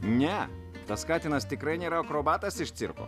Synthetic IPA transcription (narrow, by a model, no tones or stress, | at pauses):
nʲɛ | t̪ɐskɑːt̪ʲɪnɐst̪ʲɪkɾɐɪnʲeːɾɐkɾoːbɑːt̪ɐsɪʃt̪sʲɪ̰ɾko̰ː